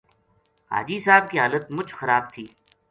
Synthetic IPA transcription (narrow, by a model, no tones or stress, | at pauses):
ɦa̰ːd͡ʒiːsaːb̚kiɦaːlət̪mʊd͡ʒxəɾaːb̚t̪ʰiː